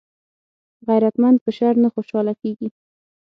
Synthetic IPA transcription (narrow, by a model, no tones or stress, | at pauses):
ɣajɾat̪mand̪̚pəʃaɾnaxoʃɑlakeɡi